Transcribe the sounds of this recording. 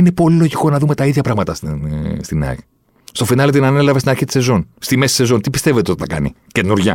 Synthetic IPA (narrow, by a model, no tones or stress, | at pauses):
ine̞po̞lilo̞ʝiko̞nɐðumet̪ɐiðʝɐpɾɐɣmɐt̪ɐsst̪inɐ̰ | st̪ofinɐlet̪inɐne̞lɐvest̪inɐɾçit̪i̥se̞zo̞nst̪ime̞si̥se̞zo̞nt̪ipist̪evet̪eot̪it̪ɐkɐ̰nḭ | cet̪inuɾʝɐ̰